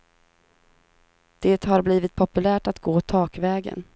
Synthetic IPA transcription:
d̪̥eːt̪ɦaɾbliːvɪt̪̚pʰɔpɵlæːʈat̪ɡoːt̪ʰɑːkvɛːɡə̰n

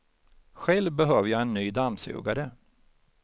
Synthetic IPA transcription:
ɧɛlvbɛɦøːvəjaːɛnːyːd̪amsʉ̰ːɡaɾə

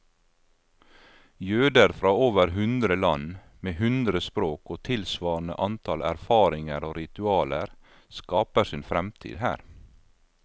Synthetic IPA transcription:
jøːd̪əɾfɾɑːoːʋəɾhʉnd̪ɾəlɑn | meːhʉnd̪ɾəspɾoːkoːt̪ʰɪlsʋɑːn̩ə̰ʔɑnt̪ʰɑlæ̰ɾfɑːɾɪŋəɾoːɾɪt̪ʉɑːləɾ | skɑːpəsɪːnfɾɛmt̪ʰḭːd̪hæ̰ːɾ

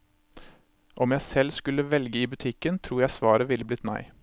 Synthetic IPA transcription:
ʔɔmjæɪsɛlskʉləʋɛlɡəiːbʉt̪ʰɪkːənt̪ʰɾuːɾjæɪsʋɑːɾəʋɪlːəblɪt̪næ̰ɪ

